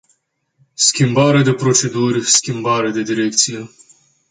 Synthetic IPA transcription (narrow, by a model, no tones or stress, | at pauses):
skʲimbaɾed̪e̞pɾo̞t͡ʃe̞d̪urʲskʲimbaɾed̪e̞d̪iɾek̚t̪sije